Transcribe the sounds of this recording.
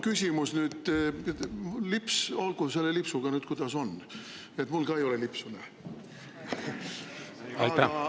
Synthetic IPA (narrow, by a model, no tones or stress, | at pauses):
kysʲimusnyːd̪̥ | lipsolɡ̥use̞lːelipsuɡ̥ɑnyːd̪̥kujd̪ɑso̞nː | et̪mulɡ̥ɑe̞jo̞lelipsune | æɑ